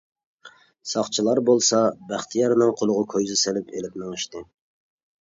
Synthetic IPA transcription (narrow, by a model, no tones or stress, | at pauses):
sɑχt͡ʃʰilˠɑɾbolˠsɑbæχt̪ʰijɑɾnɨŋqʰolˠʊʁʊkʰojzɨselɪpʰelɪp̚nɪŋɨʃt̪ɨ